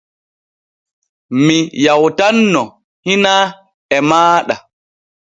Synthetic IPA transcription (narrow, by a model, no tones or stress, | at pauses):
mijawtanːɔ | hina | ɛmaːɗa